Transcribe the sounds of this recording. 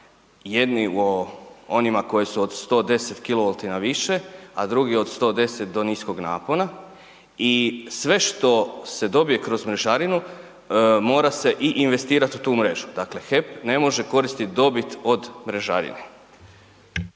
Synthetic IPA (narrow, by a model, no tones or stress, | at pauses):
je̞d̪nioonimako̞jesuod̪st̪o̞ːd̪e̞set̪kiloolˠt̪inaʋiʃe̞ad̪ɾuɡio̞d̪st̪o̞ːd̪e̞set̪̚d̪o̞nisko̞ɡna̰ːpo̞na | isʋe̞ʃt̪o̞se̞d̪o̞bije̞kɾo̞zmɾe̞ʒaɾinu | mo̞ːɾase̞ʔiʔinʋe̞st̪iːɾat̪ut̪uːmɾe̞ʒud̪akle̞xe̞pne̞mo̞ʒe̞ko̞ɾist̪it̪d̪o̞bit̪o̞d̪mɾe̞ʒa̰ɾḭne